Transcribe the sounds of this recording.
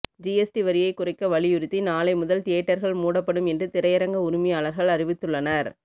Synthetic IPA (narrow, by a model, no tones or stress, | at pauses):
d͡ʒiɛsʈiʋɐɾɪjɐɪkːʊrɐɪkːɐʋɐɭɪjʊɾɯt̪ːinaːlɐɪmʊðɐlt̪eːʈːɐɾɣɐɭmuːɽɐpːɐɽɯmɛndrɯt̪ɪɾɐjɐɾɐŋɡɐʊɾɪmɪjaːɭɐɾɣɐɭɐrɪʋɪt̪ːɯɭːɐnɐɾ